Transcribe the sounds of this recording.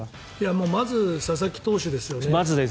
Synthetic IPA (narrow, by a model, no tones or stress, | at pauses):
ijamo̞ːmazɨsas̬akʲi̥t̪o̞ːɕɨd̪e̞sɨjo̞ne̞mazɨd̪e